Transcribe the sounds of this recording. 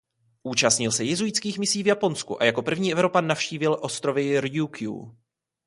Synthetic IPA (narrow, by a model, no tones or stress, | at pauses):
ʔuːt͡ʃast̪ɲɪlsɛjɪzujɪt͡skiːxmɪsiːvjapo̞nskuʔa̰jako̞pr̩vɲiːʔɛvɾo̞panːafʃciːvɪlʔo̞st̪ɾo̞vɪɾjukjṵ